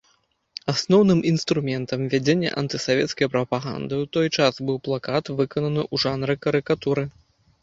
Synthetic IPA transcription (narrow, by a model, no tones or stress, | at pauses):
asnɔwnɨmʔinst̪ɾumʲɛnt̪ɐmvʲad͡zʲenʲːɛ̰ʔɐ̰nt̪ɨsavʲɛt̪skɐjpɾɐpaɣa̰nd̪ɨwt̪ɔjt͡ʂasbɨwplˠakat̪vɨkɐnɐnɨʔuʐanɾɨkɐɾɨkat̪uɾɨ